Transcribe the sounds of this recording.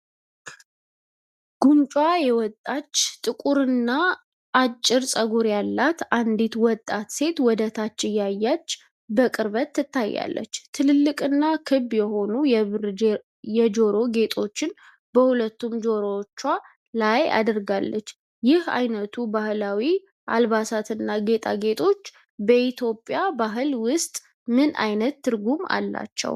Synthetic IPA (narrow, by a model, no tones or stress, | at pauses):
ɡ̥unt͡ʃʼajɛwɔt̪ʼːat͡ʃːt̪ʼɨkʼuɾɨnːa | ʔat͡ʃʼːɪɾsʼəɡuɾjalːat̪and̪it̪wɔt̪ʼat̪se̞t̪wɔd̪ət̪ʰat͡ʃːɨjajːat͡ʃː | bəkʼɨɾβət̪ːɨt̪ʰːajːa̰lːə̰t͡ʃːt̪ʰɨlɨlːɨkʼɨnːakʰɨbjɛho̞nuj | jɛd͡ʒo̞ɾo̞ɡe̞t̪ʼo̞t͡ʃːɪn | bəhulət̪ːumd͡ʒo̞ɾot͡ʃːa | laja̰d̪ɾɡalːət͡ʃː | jɪha̰jnət̪ʰubahlawi | ʔalbasat̪ɨnːaɡe̞t̪ʼʰa̰ɡe̞t̪ʼʰo̞t͡ʃː | bəʔit̪ʰjo̞pʼjabaɦɨlwʊst̪ʼ | mɨnʔa̰jnət̪ːɨɾɡuma̰lːa̰t͡ʃːɛ̰w